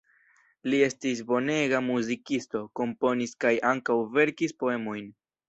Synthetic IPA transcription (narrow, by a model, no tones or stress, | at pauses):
lie̞stis̬bo̞ne̞ɡamuzikisto̞ko̞mpo̞niskajaŋkawve̞ɾkispo̞e̞mo̞jn